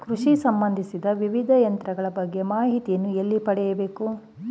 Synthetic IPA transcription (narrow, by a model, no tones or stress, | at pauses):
kɾuʂisɐmbɐnd̪ʱisid̪ɐʋiʋid̪ʱɐjɐnt̪ɾɐɡɐɭɐbɐɡːemaːɦit̪ijɐnːuelːipɐɽɛjɐbe̞ːku